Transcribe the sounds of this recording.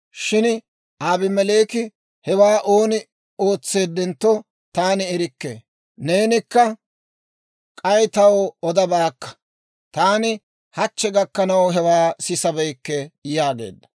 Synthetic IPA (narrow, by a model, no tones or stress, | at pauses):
ʃɪn | aːbɪmɛleːkɪ | hɛwaːʔo̞ːnɪ | o̞ːt͡sːe̞ːd̪ːɛnt̪ːɔ | t̪aːnɪɛɾɪkːḛː | neːnɪkːɐ | kʼɐjt̪ɐwɔd̪ɐbaːkːɐ̥ | t̪aːnɪ | hɐt͡ʃːɛɡɐkːɐnɐwɦɛwaːsɪsɐbɛjkːɛjaːɡe̞̰ːd̪ːɐ̥